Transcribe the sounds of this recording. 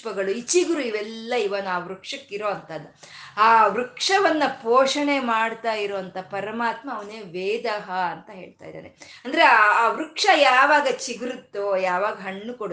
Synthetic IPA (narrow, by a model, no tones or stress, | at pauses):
pɐɡɐɭuit͡ʃiɡɾuiʋɛlːɐiʋɐnuaːʋɾukʂɐkːiɾoːɐnt̪ɐd̪ːu | aːʋɾukʂɐʋɐnːɐpoːʂɐɳe̞maːɽt̪aːjiɾoːɐnt̪ɐpɐɾɐmaːt̪mɐːʋɐneːʋeːd̪ɐɦɐɐnt̪ɐɦe̞ːɭt̪a̰ːjd̪a̰ːɾḛɐnd̪ɐɾeaːʋɾukʂɐjaːʋaːɡɐt͡ʃiɡɾut̪ːujaːʋaːɡɐɦɐɳːukoɽ